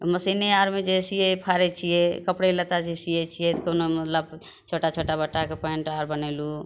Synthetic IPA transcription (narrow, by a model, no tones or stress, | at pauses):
məsineaɾmed͡ʒesijepʰaɾɛt͡ʃʰijɛkəpɽelət̪ad͡ʒesijɛt͡ʃʰijɛt̪konomət̪ləb | t͡ʃʰoʈat͡ʃʰoʈabəʈːakepɔiɳʈaɾbənɛlu